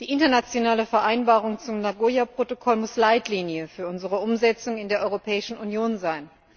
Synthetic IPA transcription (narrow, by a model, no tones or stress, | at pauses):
d̥iːʔɪntɐnat͡sjonaːləfɛɐʔaɪnbaːʁ̞ʊŋt͡sʊmnaɡoːjapʁ̥otokʰɔlmʊslaɪtliːnjəfyːɐʊnzəʁəʔʊmzɛt͡sʊŋɪndeːɐʔɔʏʁopʰɛːɪʃn̩ʔunjoːnzaɪn